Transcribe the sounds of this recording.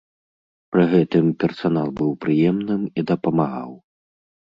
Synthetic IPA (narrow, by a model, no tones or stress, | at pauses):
pɾɨɣɛt̪ɨmpʲɛrsanalˠbɨwpɾɨjɛmnɨmid̪ɐpɐmaɣa̰w